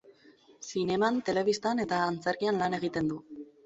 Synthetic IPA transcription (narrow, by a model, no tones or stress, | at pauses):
sine̞mant̪e̞le̞βist̪ane̞t̪aːnt͡se̞ɾkianlane̞ɣ̞it̪e̞nd̪u